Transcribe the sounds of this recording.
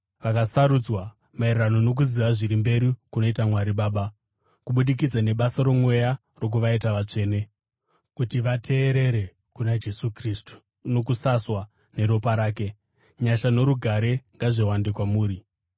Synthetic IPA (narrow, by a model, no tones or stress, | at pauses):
ʋakasaɾud͡zwa | mairrano̞no̞k̬uziʋaʐiɾimbe̞ɾikuno̞itamwaɾiɓaːɓa | kuɓuɗik̬id͡zane̞ɓasaɾo̞mwe̞ja | ro̞k̬uʋaitaʋat͡ʂe̞ːne̞ | kutiʋatʰe̞ːɾe̞ɾe̞ | kunad͡ʒe̞sukriːstu̥ | no̞k̬usaswa | ne̞ɾo̞paɾaːke̞ | ɲaʃano̞ɾuɡʱaɾe̞ŋɡaʐe̞wande̞kwamuːɾi